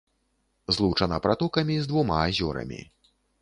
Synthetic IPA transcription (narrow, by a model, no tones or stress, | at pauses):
zlˠuwt͡ʂɐnɐpɾat̪ɔkɐmʲizd̪vumaːzʲɔɾɐ̰mʲḭ